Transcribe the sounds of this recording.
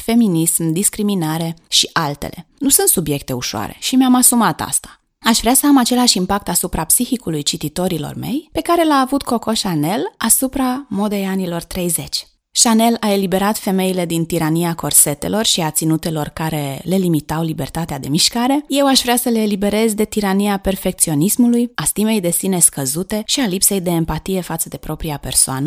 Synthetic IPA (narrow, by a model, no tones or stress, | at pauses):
fe̞minismd̪iskɾiminaɾe̞ʃiʔalt̪e̞̰lʔe̞̰nusɨnt̪subje̞k̚t̪e̞uʃoa̰ɾe̞̰ʃimeamasumat̪a̰st̪ḁ | aʃvɾeasəamat͡ʃe̞laʃimpak̚t̪asupɾapsixikulujt͡ʃit̪it̪o̞ɾilo̞̰rme̞̰jpe̞kaɾe̞laːvut̪ko̞ko̞ʃane̞lasupɾamo̞d̪e̞janilo̞rt̪ɾe̞jze̞t͡ʃʲ | ʃane̞lae̞libe̞ɾat̪fe̞me̞ile̞d̪int̪iɾaniako̞rse̞t̪e̞̰lo̞rʃiat̪sinut̪e̞lo̞rkaɾe̞le̞limit̪awlibe̞rt̪at̪ead̪e̞miʃkaɾe̞je̞waʃvɾeasəle̞ːlibe̞ɾe̞zd̪e̞t̪iɾaniape̞rfe̞k̚t̪sio̞nismulujast̪ime̞jd̪e̞sine̞skəzut̪e̞ʃialipse̞jd̪e̞ːmpat̪ije̞fat̪səd̪e̞pɾo̞pɾiape̞rsoa̰nə